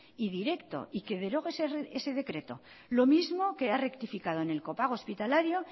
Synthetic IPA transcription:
iðiɾe̞kt̪o̞̰ʔike̞ðe̞ɾo̞ɣeseese̞ðe̞kɾe̞t̪o̞̰ | lo̞mizmo̞ke̞are̞kt̪ifikað̞o̞ene̞lko̞paɣ̞ospit̪alaɾjo̞

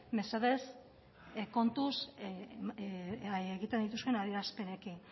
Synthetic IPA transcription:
me̞saðe̞s | ko̞nt̪us | eɣit̪end̪it̪̬uske̞naðiɾaspe̞ɾekin

